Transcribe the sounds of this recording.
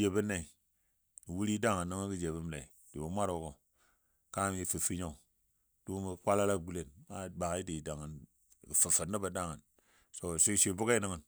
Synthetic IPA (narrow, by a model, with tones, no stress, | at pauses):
je˨bə˦na˦i˨ | i˨wu˦ɾi˦da˦ŋa˨nːi˦ŋə˦nki˦d͡ʒe˨bə˦m˦la˨i˨ | di˨bo˨˦mʷa˦ɾo˨ko˨ | ka˦m˦ji˨fi˨fi˦ɲo˦ | du˦mə˦˨kʷa˦la˦la˦˨ɡu˦le˨nma˦ba˨ki˦di˨da˨ŋa˨n˨ | kə˨fə˨fə˨nːa˦ba˨da˦ŋa˨n | so˨ʃi˦ʃi˦˨bu˦ka˦i˦nə˦ŋə˨n